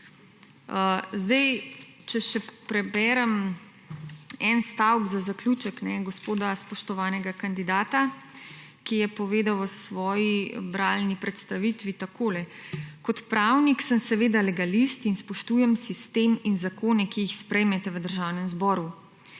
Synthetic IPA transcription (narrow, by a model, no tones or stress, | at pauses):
zd̪ɛj | t͡ʃɛʃɛpɾɛbɛːɾɛm | ɛnst̪awɡzazaklʲut͡ʃəknɛɡɔspoːd̪aspɔʃt̪ɔʋaːnɛɡakand̪id̪aːt̪a | kijɛpɔʋeːd̪awəsʋɔːjibɾalnipɾɛt̪st̪aʋit̪ʋit̪akʰoːlɛkɔt̪pɾawniksəmsɛʋeːd̪alɛɡalist̪inspɔʃt̪uːjɛmsist̪eːminzakoːnɛkijixspɾɛjmɛt̪ɛʋəd̪əɾʒawnɛmzbɔːɾu